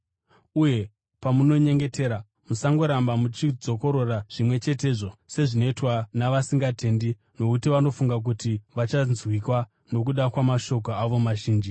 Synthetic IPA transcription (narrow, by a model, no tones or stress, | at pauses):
uje̞ | pamuno̞ɲe̞ŋɡe̞tʰe̞ːɾa | musaŋɡo̞ɾambamut͡ʃid͡zo̞ko̞ɾo̞raʐ̥imwe̞t͡ʃe̞te̞ːʐo̞se̞ʐino̞itwanaʋasiŋɡate̞ndi | no̞kutiʋano̞fuŋɡak̬utiʋat͡ʃanzwikwa | no̞k̬uɗakwamaʃo̞k̬oaʋo̞maʒiːnd͡ʒi